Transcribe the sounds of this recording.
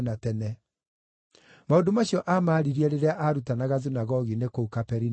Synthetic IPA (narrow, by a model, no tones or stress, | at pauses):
natɛnɛ | maõndomaɕiɔʔamaɾiɾiɛɾeɾeaʔaɾutanaɣaðunaɣɔɣinekoukapɛɾin